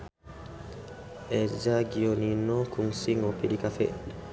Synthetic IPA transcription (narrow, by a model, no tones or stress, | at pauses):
ʔɛd͡ʒaɡijoninɔkuŋsiŋɔpiɗikafɛ̰